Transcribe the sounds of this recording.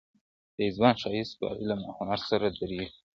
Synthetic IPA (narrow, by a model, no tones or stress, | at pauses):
d̪̥əɪzbɑnʃɑjɪspə̰ɪlama̰xɑnɑɾsaɾad̪aɾi